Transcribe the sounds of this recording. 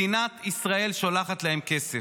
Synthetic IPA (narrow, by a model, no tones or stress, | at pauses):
inat̪isʁae̞lʃolaχat̪laemke̞se